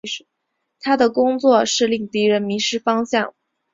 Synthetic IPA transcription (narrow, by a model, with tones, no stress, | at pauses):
ʂ̩˥˩ | t̪ʰa˥d̪ə˨kʊ˥ŋt͡swɔ˥˧ʂɻ̩˥˧li˥˩ŋt̪i˧˥ɻə˧˥nmi˧˥ʂɻ̩˥fɑ˥ŋɕjɑ˥˩ŋ